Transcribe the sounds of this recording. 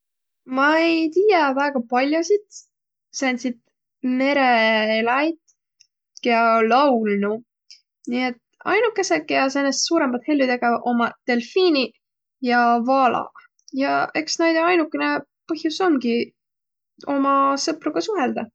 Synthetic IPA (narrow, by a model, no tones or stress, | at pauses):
mɑejt̪iːjævæːɡ̥ɑpɑlʲjosid̪̥ | sæːnsid̪̥ | me̞ɾe̞elɑjt̪ | keɑlɑwlnu | niet̪ | ɑ̰jnukːˑe̞sekːjɑsenːest̪suːɾemɑt̪he̞lːud̪e̞ɡ̥ɑʔo̞mɑt̪e̞lfiːnʲi | jɑvɑːlɑ̰ | jɑe̞ksnæjd̪eɑjnukːˑenepɤhjusomɡi | o̞mɑsɤpɾuɡ̥ɑsuɦe̞ld̪̥ɑ